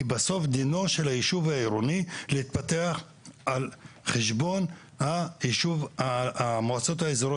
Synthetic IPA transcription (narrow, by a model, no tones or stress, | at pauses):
ibaso̞fd̪ino̞ʃelaiʃuvaiɾonileit̪̚pate̞aχ | alχeʃbo̞n | haiʃuvamoat͡so̞t̪haezoɾo